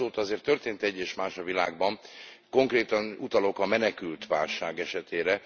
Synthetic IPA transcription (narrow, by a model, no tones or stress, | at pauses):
oːt̪ɒzeːrt̪ːørt̪eːnt̪ɛɟːeːʃmaːʃɒvila̰ːɡ̚bɒm | ko̞ŋkreːt̪ɒnut̪ɒlo̞kɒmɛnɛkylt̪ʋa̰ːlʃaːɡɛʃɛt̪eːɾɛ